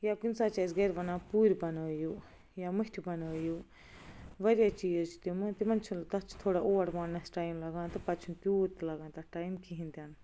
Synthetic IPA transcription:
jakinsaːt͡ʃaːzɡɐɾʋɐnãːpuːɾbɐnoːjuː | jaːmuʈʰʲibɐnoːjuː | ʋɐɾijat͡ʃiːd͡ʒət͡ʃʰi̥t̪umt̪imɐnt͡ʃʰult̪ɐt͡ʃʰt̪ʰoːɽaːʔoːʋɐʈmaːnnɐsʈaːimlɐɡãːnt̪ɨpɐt͡ʃʰunt̪uːt̪lɐɡãːnt̪ɐʈaːjimkiɦĩnd̪jaːn

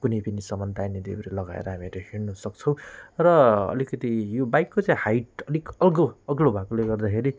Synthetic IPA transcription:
kunʌjpʌnisʌmʌnd̪ajnid̪ḛbɾelʌɡa̰ḛɾʌɦamiɾʌɦeɽnusʌk̚t͡sʰʌw̃rʌʌ̰likʌt̪ijobajkːot͡saĩhajʈʌlikʌlɡoʌɡlobʱakoleɡʌrd̪akʰeɾi

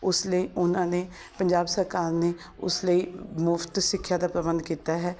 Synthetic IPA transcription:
ʊsləiːʔʊnãːneː | pəɲd͡ʒaːbsəɾkaːɾneː | ʊ̰sləiːmʊft̪sɪkʰːjaːd̪aːpɾəbənd̪kiːt̪aːɦɛː

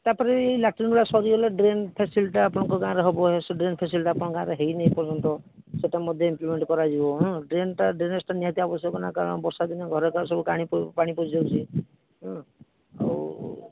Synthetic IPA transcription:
t̪apɔɾeeilaʈɾinuɭasɔɾieleɖɾenpʰesilʈaːpɔɽ̃ɔ̃ŋkɔɡãɾeɦɔbɔɦesɔɖɾenpʰes̬ilʈapɔɽ̃ɔ̃ɡãɾeɦejneɦipɔɾd͡ʒɔnt̪ɔ | seʈamɔd̪ʱjɔimplimeɳʈkɔɾad͡ʒibɔɦɔ̃ɖɾenʈaɖɾenesʈaniat̪iɔbɔsjɔkɔnakaɾɔɽ̃bɔɾsad̪ineɡʱɔɾekasɔbukaɽ̃ippaɽ̃ipod͡ʒawt͡ʃʰi | ɦɔ̃ | a̰w

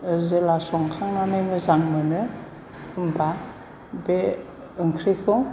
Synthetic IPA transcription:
ɯzelasɔŋkʰaŋanɯmɯzaŋmɯnɯ | ɯmba | be | ɯŋkʰɾikʰɯ

